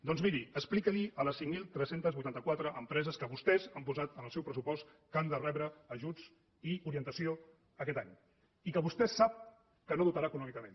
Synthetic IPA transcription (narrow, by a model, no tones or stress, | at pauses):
d̪ɔnzmiɾiəsplikəliələsiŋmilˠt̪ɾɛsent̪əzβujt̪ant̪əkwat̪ɾəʔəmpɾɛzəskəβust̪ɛzampuzat̪ənəlˠsɛwpɾəsupɔst̪ | kand̪ərɛβɾəːʒud͡z | iuɾiənt̪əsio | əkɛt̪aɲ | ikəβust̪ɛsap̚ | kənoðut̪aɾaəkunɔmikəmẽn